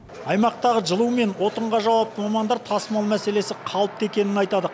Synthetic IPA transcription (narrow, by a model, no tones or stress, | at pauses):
ɑjmɑq̚t̪ɑʁəʒəlˠume̞nwo̞t̪əɴʁɑʒɑwɑp̚t̪əmɑmɑnd̪ɑɾt̪ʰɑsmɑlˠmæse̞le̞sɪqʰɑlˠəp̚t̪e̞kʲe̞nɪnɑjt̪ɑd̪ə